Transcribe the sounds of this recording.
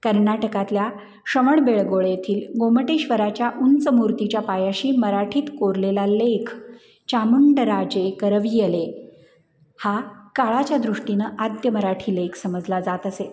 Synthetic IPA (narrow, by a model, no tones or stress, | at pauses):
kəɾnaʈəkat̪lja | ɕəʋəɳbeɭɡoɭjet̪ʰiːlɡoməʈeɕʋəɾat͡ɕjaʔunt͡səmuɾt̪it͡ɕjapajaɕiːməɾaʈʰiːt̪koɾlelalekʰ | t͡ɕamuɳɖəɾad͡ʑekəɾəʋijele | hakaɭat͡ɕjad̪ɾuʂʈinəʔad̪jəməɾaʈʰiːlekʰsəməd͡zʱlad͡zat̪əse